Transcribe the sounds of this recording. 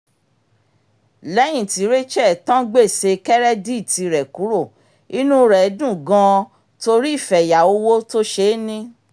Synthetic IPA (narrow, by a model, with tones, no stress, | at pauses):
lɛ˨˦j̃ĩ˦˨ti˨˦ɾe˦t͡ʃɛ˦˨tã˦ɡ͡be˦˨se˧kɛ˦ɾɛ˦di˦˨ti˧ɾɛ˨ku˨˦ɾo˦˨ | i˦nũ˦ɾɛ˨˦dũ˦˨ɡã˧ | to˧ɾi˦i˦˨fɛ˨ja˨o˧˦wo˦to˦ʃe˧˦nĩ˦